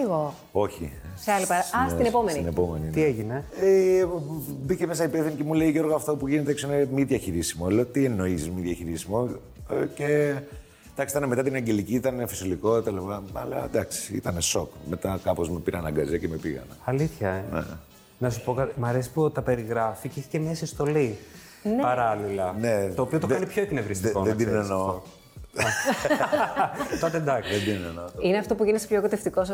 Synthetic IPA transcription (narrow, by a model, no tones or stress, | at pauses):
iɣo | o̞çḭ | sseɐlipɐɾɐst̪inepomeninepo̞me̞nint̪ieʝinee | bicemesɐipefθinice̞muleiʝo̞ɾɣoɐft̪o̞puʝinet̪eeksoinemiðʝɐçiɾisimoeloot̪ieno̞isizmiðʝɐçiɾisimo̞ | ce | d̪ɐksit̪ɐneme̞t̪ɐt̪inɐɲɟe̞liciit̪ɐnefisoliko̞t̪ɐlipɐɐ̰lɐ̰d̪ɐksi̥ḭt̪ɐne̞so̞kme̞t̪ɐkɐpo̞zmepiɾɐnɐɡɐziɐcemepiɣɐ̰nɐ̰ɐliθçɐenḛ | nɐsupo̞kɐmɐɾesi̥put̪ɐpe̞ɾiɣɾɐficeiçi̥cemɲɐsist̪o̞li | npɐɾɐlilɐnet̪o̞ːpio̞t̪okɐnipçoekinevɾist̪koed̪inenenoo | t̪ot̪ed̪ɐked̪innenoineɐft̪o̞puʝinise̥pçokut̪eft̪ikosɐ